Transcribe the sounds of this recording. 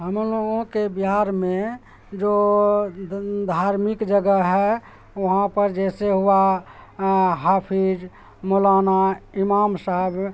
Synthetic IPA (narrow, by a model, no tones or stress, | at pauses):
ɦəmloɡõkebiɦaːɾmẽ | d͡ʒoː | d̪ʱaːɾmikd͡ʒəɡəɦɛ | ʋəɦãpəɾd͡ʒɛseɦua | ɦaːpʰid͡ʒ | molaːnaimaːmsaɦəb